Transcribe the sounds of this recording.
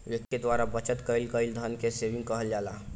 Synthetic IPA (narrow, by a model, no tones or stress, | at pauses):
ʋektːed̪waːɾabət͡ʃət̪kəɪlkəɪld̪ʱənkeseʋɪ̃ŋɡkəɦəld͡ʒaːla